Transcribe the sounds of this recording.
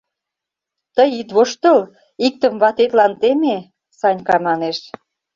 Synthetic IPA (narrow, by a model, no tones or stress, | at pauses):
t̪əjit̪βoʃt̪ə̆l | ik̚t̪ə̆mβɑt̪et̪lɑnt̪eme | sɑnʲkɑmɑneʃ